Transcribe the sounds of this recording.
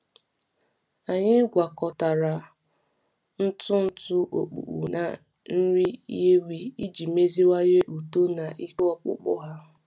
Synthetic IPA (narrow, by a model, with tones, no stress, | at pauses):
a˨ɲɪ˦ɡʷa˨kɔ˨ta˨ɾa˨ | n̩˦tʊ˦n̩˦tʊ˦ʔo̰˨k͡pṵ˨k͡pṵ˨na̰˨ | n̩˦ɾi˦je˦wi˦i˦d͡ʒi˨me˦zi˦wa˦je˦ʔo˨to˦na˨ʔi˦kɔ˦k͡pʊ̰˦k͡pʊ̰˦ɦa˦